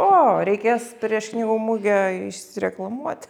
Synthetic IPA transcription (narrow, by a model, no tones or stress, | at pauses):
oːɾʲɛɪkʲeːspʲɾʲiɛʃknʲiːɡuːmʊɡʲɛɪʃsʲɪɾʲɛklˠɐmuɔt̪ʲ